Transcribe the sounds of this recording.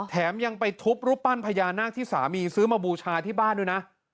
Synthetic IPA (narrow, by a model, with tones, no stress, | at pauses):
t̪ʰɛː˩˦mja˧ŋpa˧jt̪ʰu˦˥p̚ɾu˦˥pːa˥˩npʰa˧jaː˧nːaː˥˩k̚t̪ʰiː˥˩sa̰ː˩˦miː˧sɯː˦˥maː˧buː˧t͡ɕʰaː˧t̪ʰiː˥˩baː˥˩nːɯː˦˩na˦˥ʔ